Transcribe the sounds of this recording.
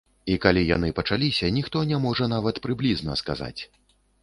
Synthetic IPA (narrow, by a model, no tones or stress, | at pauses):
ikalʲija̰n̪ɨpɐt͡ʂalʲisʲɐnʲixt̪ɔnʲamɔʐɐnavɐt̪pɾɨblʲiznɐ̰ska̰za̰t͡sʲ